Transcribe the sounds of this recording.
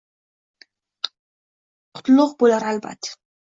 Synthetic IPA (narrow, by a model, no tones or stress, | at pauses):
qʰʊ̥t̪lˠʊq̚bolʲaɾalba̰t̪